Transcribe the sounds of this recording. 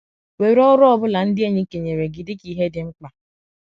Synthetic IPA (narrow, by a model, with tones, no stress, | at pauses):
we˨˦ɾɔ˦ɾɔ˦bʊ˦la˨n̩˦dɪ˦e˦ɲe˦ke˨ɲe˨ɾe˨ɡɪ˨dɪ˦ki˨ɦe˦dɪ˦ŋ͡m̩˦k͡pa˨